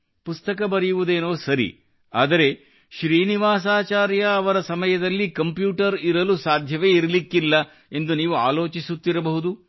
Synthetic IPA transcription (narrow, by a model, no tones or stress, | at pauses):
pust̪ɐkɐbɐɾijuʋud̪e̞ːnoːsɐɾḭ | a̰ːd̪ɐɾe̞ | ʃɾiːniʋaːs̬aːt͡ʃaːɾjɐːʋɐɾɐsɐmɐjɐd̪ɐlːikɐmpjuːʈɐɾiɾɐlusaːd̪ʱjɐʋe̞ːiɾɐlikːilːɐ | e̞nd̪uniːʋua̰ːlo̞ːt͡ʃisut̪ːiɾɐbɐɦud̪u